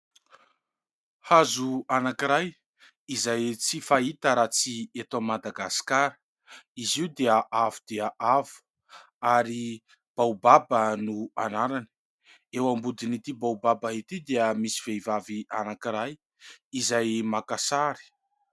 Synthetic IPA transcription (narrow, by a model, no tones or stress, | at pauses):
hazuanakiɾaj | izajt͡sifait̪əɾat͡siet̪amad̪aɡasi̥kaɾə | iziwd̪eəʔavud̪̥eaʔavu̥ | aɾi | b̥awbabənuanaɾani̥ | ewambud̪init̪ibawbabəɦit̪id̪eəmisi̥v̥eivaviʔanakiɾaj | izajmakasaɾi̥